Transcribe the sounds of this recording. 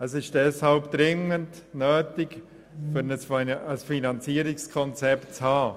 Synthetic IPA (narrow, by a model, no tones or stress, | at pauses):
əsɪʃd̥ɛshalpd̪̥ɾɪŋənt | nøːtɪk | fʏɾnəəsfinɑnt͡siəɾɪkskʰɔnt͡sɛptt͡shɑː